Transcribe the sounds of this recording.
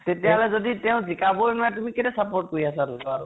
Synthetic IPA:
tetijaɦɔlɛzoditɛʊ̃zikabojnuatumikɛtɛsapɔɹt̚koɹiasalotɔa

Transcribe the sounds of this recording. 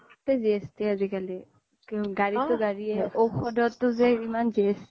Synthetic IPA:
tɛziestiazikali | ɡaɹitʊɡaɹiɛowxʰɔdɔtːʊzɛimanzies

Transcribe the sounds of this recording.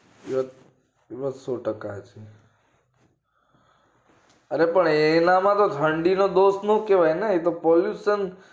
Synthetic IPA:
iʋət̪ | iʋəsoʈəkaɦt͡ʃʰe | əɾepəɳenamãt̪ot̪ʰəɳɖinod̪osnõkeʋajneet̪opɔljuʃən

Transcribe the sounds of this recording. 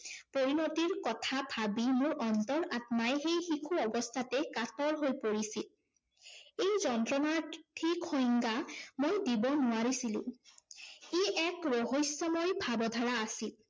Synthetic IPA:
poɹinotiɹkɔtʰabʱabimʊɹɔntɔɹatmajxejxikʰuɔbɔstʰatɛkatɔɹɦojpoɹisil | ejzɔntɹɔnatʰikʰːojŋɡamojdibɔnʊwaɹisilṵ̃ | iʔɛkɹoɦojsːɔmɔjbʱabɔdʱaɹaːsil

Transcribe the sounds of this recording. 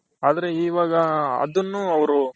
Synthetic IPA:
aːd̪ɐɾe̞iːʋaːɡɐɐ̰d̪ɐnːuɐʋɐɾu

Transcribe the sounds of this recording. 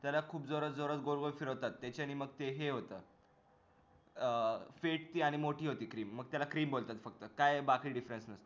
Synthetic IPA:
t̪jalakʰuːpd͡zoɾət͡sd͡zoɾət͡sɡoɾɡojfiɾəwt̪at̪ːet͡ɕaniməɡ̚t̪eɦeɦot̪ə | feʈ̚t̪iːaɽ̃imoʈʰiːɦot̪iːkɾiːmːəɡ̚t̪jalakɾiːmbolt̪at̪fəkt̪əkajbakiːɖifɾensnəst̪ə

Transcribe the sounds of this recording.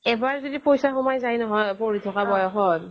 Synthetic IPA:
ɛbaɹzodipojsaxɔmajzajnɔɦɔjpoɹitʰɔkabɔjɔxɔt

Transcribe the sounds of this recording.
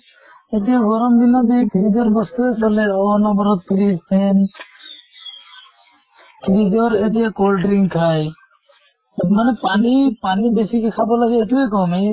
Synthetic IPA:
et̪ijaɡɔɾɔmd̪inɔt̪ekʰiɾid͡ʒɔɾbɔst̪uesɔlɛɔnɔbɔɾɔt̪kɾispʰɛn | kɾid͡ʒɔɾet̪ijakɔlɖɾiŋkʰaj | manɛpanipanibesikɛkʰabɔlaɡɛːʈukekɔme

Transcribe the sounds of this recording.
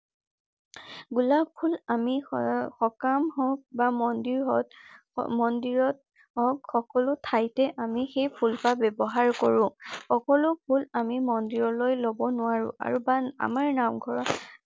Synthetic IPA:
ɡulapʰulamixɔkamɦɔk̚bamɔndiɹɦɔt | mɔndiɹɔt̚ | ɦɔkxɔkɔlʊtʰajtɛʔamixejpʰulpabɛbɔɦaɹkɔɹʊ̃xɔkɔlʊpʰulamimɔndiɹɔlojlobɔnʊwaɹʊ̰̃ʔa̰ɹubaa̰maɹnamɡʱɔɹɔt

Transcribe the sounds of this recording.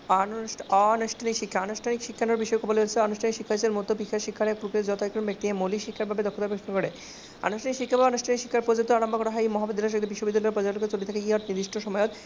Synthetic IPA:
ɔanuʃʈʰanikʃikʰːaanuʃʈʰanikʃikʰːanoɾbiʃɔekʰɔboleolt͡ɕʰeanuʃʈʰanikʃikʰːat͡ɕeɾmot̪ːopikʰːaɾʃikʰːaɾɛk̚pɾukiesd͡ʑɔt̪aekɾombek̚t̪iemoliʃikʰːaɾbʱabed̪ɔkʰːot̪apɾekʃnkoɾe | a̰nuʃʈʰanikʃikʰːabʱabeanuʃʈʰanikʃi̥kʰːaɾpod͡ʑont̪ːoaɾambʱokoɾaɦajmɔɦabod̪ɾaʃ̬od̪ebiʃːobid̪ːalɔeɾpɔd͡ʑaloket͡ɕolit̪ʰakekiat̪nid̪iʃʈʰoʃɔmɔjot̪

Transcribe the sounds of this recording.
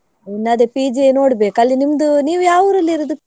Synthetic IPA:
inːɐːd̪epiːd͡ʒeno̞ːɽbeːkɐlːinimd̪uniːʋujaːʋuɾɐlːiɾod̪u

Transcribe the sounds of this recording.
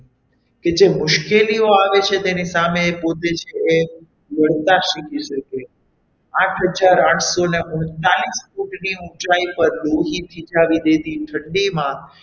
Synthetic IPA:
ked͡ʒemʊʃkelioaʋet͡ʃʰet̪enisameːpot̪et͡ʃʰeː | ʋəɭt̪aʃikiʃəke | ãʈʰɦəd͡ʒaɾãʈʰsoneʊɳt̪alisfuʈniũt͡ʃaipəɾloɦit̪ʰid͡ʒaʋid̪ed̪iʈʰəɳɖimã

